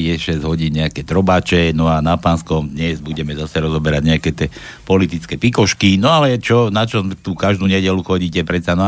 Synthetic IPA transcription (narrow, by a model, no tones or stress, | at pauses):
jɛʃɛzɟɦɔɟiːnɲɛakɛt̪ɾɔbaːt͡ʃɛnɔanapanskɔmd̪ɲɛzbuɟɛmɛzasɛɾɔzɔbɛɾaɟɲɛakɛt̪ɪɛːpɔlit̪it͡skɛpikɔʃkinɔalɛt͡ʃɔnat͡ʃɔt̪ukaʒd̪uːɲɛɟɛluxɔɟiːcɛpɾɛt̪t͡sanɔ